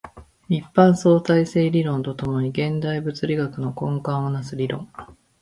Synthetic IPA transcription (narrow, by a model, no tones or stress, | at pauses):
ipːãɰ̃so̞ːsaise̞ːɾʲiɾõ̞nt̪o̞t̪o̞mo̞ɲ̟iɡẽ̞nd̪aibɯ̟t͡sɨɾʲiɡakɯ̟no̞kõ̞ŋkãɰ̃onasɨɾʲiɾõ̞ŋ